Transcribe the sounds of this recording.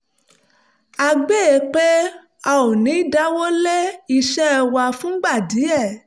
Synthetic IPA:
a˧ɡ͡be˦˨˧k͡pe˦ | a˧˨o˨nĩ˨˦da˦wo˦le˦i˧ʃɛ˦ɛ˧wa˧fũ˦ɡ͡ba˦˨di˨˦ɛ˦˨

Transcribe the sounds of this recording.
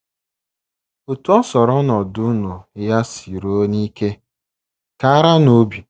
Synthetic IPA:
o˨tu˦ɔ˦sɔ˨ɾɔ˦nɔ˨dʊ˦nu˨ja˦si˨ɾo˦ni˦ke˦ | ka˨a˦ɾa˦no˨˦bi˨

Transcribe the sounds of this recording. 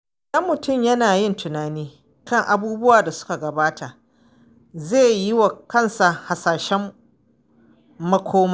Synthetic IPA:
ʔɐ˦mːʊ˨tʊ˦˨mjɐ˦naː˨jɪ˦ntʰʊ˨naː˨niː˦ | kʰɐ˦ŋʔa˨buː˦bʊ˦waː˨da˨sʊ̥˦ka˨ɡɐ˨baː˦tʰa˨ | zeː˦˨jɪ˦wa˨kɐ˦˨nsa˨ha˨saː˨ʃɛ˦m | ɐ˦kʷʰoː˦ma˦

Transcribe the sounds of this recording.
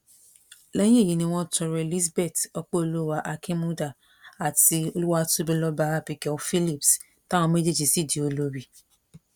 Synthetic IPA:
lɛ˦jĩ˦e˦˨ji˨nĩ˧w̃ɔ̃˦tɔ˧ɾɛ˧˨li˦sbɛ˦˨tɔ˧k͡pɔ˦o˧lu˦wa˦ʔa˧kʰi˦mũ˦da˦˨ | a˨ti˧o˧lu˦wa˦tu˦bĩ˧lɔ˦ba˧a˦˨pi˨˧kɛ˦ɔ˧˦fi˦li˦˨ps | tã˦w̃ɔ̃˧me˦d͡ʒe˦d͡ʒi˧˨si˦˨di˨o˧lo˦bi˧

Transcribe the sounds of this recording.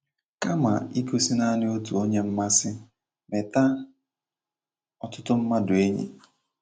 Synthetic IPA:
ka˦ma̰˨i˦ku˦si˦na˦nɪ˦o˦tu˨o˦ɲe˦m̩˦ma˦sɪ˦ | me˨ta˦ | ɔ˨tʊ˦tʊ˦m̩˦ma˦dʊ˨e˦ɲḛ˨

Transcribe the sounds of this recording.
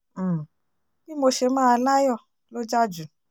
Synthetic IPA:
bi˦mo˧ʃe˧mãː˦˧la˦jɔ˦˨ | lo˦d͡ʒa˦d͡ʒu˨

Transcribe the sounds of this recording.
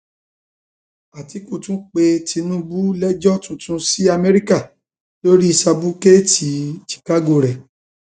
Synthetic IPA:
a˨ti˨˦kũ˦˧˨tũ˦k͡pe˧tʰi˧nũ˦bu˦lɛ˦d͡ʒɔ˦tũ˨tũ˧˦si˦a˧mɛ˦ɾi˦ka˦˨ | to˦ɾi˦i˧sa˧bu˦ke˦ti˨t͡ʃi̥˨ka˦ɡo˧˨ɾɛ˨

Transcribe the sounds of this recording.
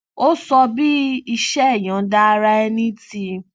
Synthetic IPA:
o˦sɔ˧bi˦i˧ʃɛ˦˨j̃ã˨˦da˦˧ɾa˦ɛ˧nĩ˦ti˧

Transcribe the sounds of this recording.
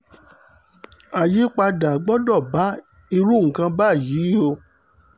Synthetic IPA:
a˨ji˨˦k͡pa˧da˨ɡ͡bɔ˦dɔ˦˨ba˨˦ | i˧ɾu˦˨ŋ̩˨kã˧ba˦˨ji˨˦o˧

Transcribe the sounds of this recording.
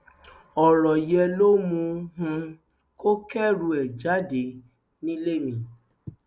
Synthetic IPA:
ɔ˨ɾɔ˨jɛ˧lo˦mũ˧ɦũ˧ | ko˦kɛ˦ɾu˧ɛ˨d͡ʒa˨˦de˨˦ | nĩ˦le˦mĩ˧

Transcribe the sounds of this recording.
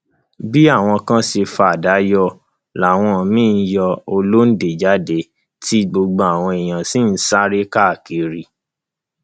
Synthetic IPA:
bi˦a˦˨w̃ɔ̃˧kã˦se˧fa˧˨da˨˦jɔ˧ | la˨w̃ɔ̃˧˨mĩ˦n̩˦jɔ˧o˧lo˦n̩˦de˨d͡ʒa˨˦de˦ | ti˦ɡ͡bo˧ɡ͡bɔ˧a˨w̃ɔ̃˧i˨j̃ã˨sĩ˦n̩˦sa˦ɾe˦ka˦˨ki˨ɾi˨

